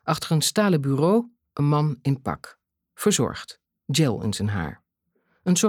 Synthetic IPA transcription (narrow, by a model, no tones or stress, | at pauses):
ʔɑχtəɹənstaːləbyːrow | ʔənmɑnɪnpɑ̰k | fəɹzɔ̰ɹχt | d͡ʒɛlˠɪ̰nzənɦa̰ːɹ | ənsɔ